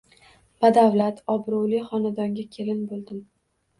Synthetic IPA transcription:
b̥ad̪awlat̪ʰɒbɾʊwlɪχɒnad̪ɒŋɡʲakʲʰelɪnbolˠd̪ɪm

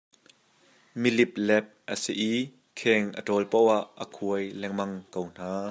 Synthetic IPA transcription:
milip̚lɛp̚ʔəsiʔiː | kʰɛŋʔə̰tɔlpowaʔːəkʰuəjlɛŋmɐŋkown̥aː

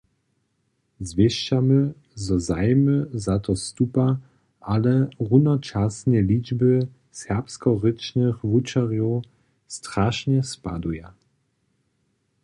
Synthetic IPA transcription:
zvʲjɛʃt͡ʃamə | zɔzajməzat̪ɔst̪upa | ʔalɛʁunɔt͡ʃasnɛlid͡ʒbə | sɛʁpskɔʁɪt͡ʃnɪxvut͡ʃaʁjɔ | stʁaʃɲɛspa̰d̪uja

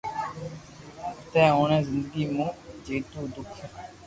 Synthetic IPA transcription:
t̪ɛ̃ːõːñẽːzɪ̃nd̪əɡiːmũːd͡ʒeːt̪uːd̪ʊkʰ

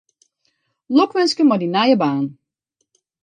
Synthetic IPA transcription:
lɔkʋɛnskəmɔdinajəbaːn

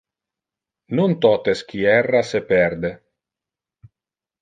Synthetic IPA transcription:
nont̪ɔt̪esk̟iɛrːasepɛɾd̪e

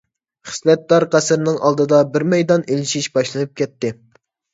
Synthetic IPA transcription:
χə̥slɛt̪̚d̪ɑɾqæsɪɾnɪŋʔɑlˠd̪ɨd̪ɑbɪɾmɛjd̪ɑnelɪʃiʃbɑʃlˠɨnɨp̚kʲɛt̪ːɪ

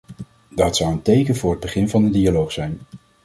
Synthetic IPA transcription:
dɑtsʌwəntejkənvʊːɹɦəd̚bəχɪnvɑndədialowχsɛjn

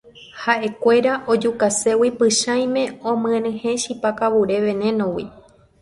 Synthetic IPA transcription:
haʔe̞kʷe̞ɾaʔod͡ʒukase̞wipɨʃãj̃mẽ̞õmɨ̃ẽɾɨ̃hẽ̞ʃipakaβuɾe̞ʋẽ̞nẽ̞nõwḭ

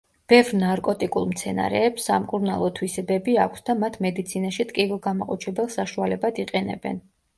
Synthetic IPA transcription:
b̥ɛvɾnaɾkʼɔt̪ʼikʼulˠmt̪sʰɛna̰ɾɛ̰ːpsːamkʼuɾna̰lˠɔt̪ʰwisɛbɛbiakʷʰsd̪amat̪ʰmɛd̪it̪sʰinaʃit̪ʼkʼivilˠɡamaqʼɔt͡ʃʰɛbɛlˠsaʃualɛbad̪iqʼɛnɛ̰bɛ̰n

